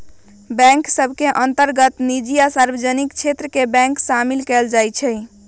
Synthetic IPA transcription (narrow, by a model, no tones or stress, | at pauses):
bɛ̃ŋksəbʱkeʔənt̪əɾɡət̪nid͡ʒijasaɾbəd͡ʒənikt͡ʃʰet̪ɾəkebɛ̃ŋksamilkɛld͡ʒajt͡ʃʰɛj